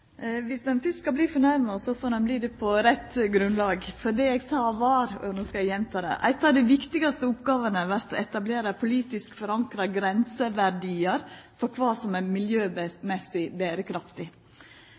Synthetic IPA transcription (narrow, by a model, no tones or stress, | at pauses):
ʋɪsd̪ɛnfʏsskɑbliːfɔɳæɾmɑsɔfoːɾd̪ɛnbliːd̪ɛpʰɔɾɛt̪ːɡɾʉnd̪lɑːɡfɔɖiɛɡt̪ʰɑːʋɑːɾɔ̰noːskɑjæjɛnt̪ʰɑːd̪ɛ̰ʔæ̰ɪt̪ɑʋd̪ɛʋɪkt̪ɪɡɑst̪əʊpɡɑːʋənəʋæɾt̪ɔɛt̪ɑbleːɾəpʰʊliːt̪ɪskfɔɾɑŋkɾɑɡɾɛnsəʋæɾɖiːəɾfɔɾkʰʋɑːsɔmæmɪljøːbmɛsɪbeːɾəkʰɾɑft̪ɪ